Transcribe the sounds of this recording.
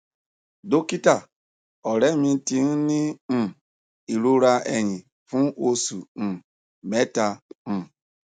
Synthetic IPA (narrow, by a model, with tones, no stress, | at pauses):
do˦ki˦ta˦˨ | ɔ˨ɾɛ˨˦mĩ˧ti˧n̩˦nĩ˦˨ | i˨ɾo˦ɾa˧e˨ɲĩ˨ | fũ˦o˧sũ˨ | mɛ˦ta˧m̩̃˨